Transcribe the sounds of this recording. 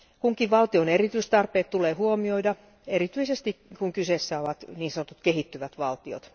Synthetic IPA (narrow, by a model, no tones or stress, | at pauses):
kuŋkiʋʋɑlt̪ionerit̪yist̪ɑrpeːt̪t̪uleːhuomioidɑ | erit̪yisest̪ikkuŋkyseˑsːæoʋɑt̪niːnsɑnot̪ut̪kehit̪ːyʋæt̪ʋɑlt̪io̰t̪